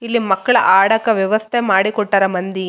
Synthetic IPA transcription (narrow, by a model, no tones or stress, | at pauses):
ilːimɐkːɐɭɐ̰ʔaːɽɐkːɐʋjɐʋɐst̪ʰemaːɽikɔʈːɐɾɐmɐnd̪i